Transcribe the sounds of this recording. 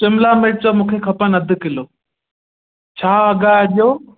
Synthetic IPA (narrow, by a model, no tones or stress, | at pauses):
t͡ɕɪmlamɪʈ̚t͡ɕomũːkʰekʰɐpənɐd̪ʱʊ̆kɪloː | t͡ɕʰaːɡaːjɗijoː